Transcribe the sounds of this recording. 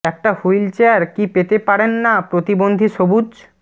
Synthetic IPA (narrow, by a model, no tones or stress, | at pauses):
ɛk̚ʈahujlt͡ɕeaɾkipet̪epaɾenːapɾot̪ibond̪ʱiʃobud͡ʑ